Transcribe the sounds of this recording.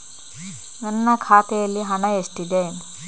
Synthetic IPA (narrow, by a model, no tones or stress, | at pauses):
nɐnːɐkʰaːt̪ejɐlːiɦɐnɐeʂʈid̪e